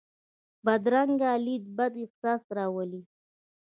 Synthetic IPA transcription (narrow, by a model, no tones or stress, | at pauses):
bad̪ɾaŋɡaːlid̪̚bad̪ɪqsɑːsɾɑwəli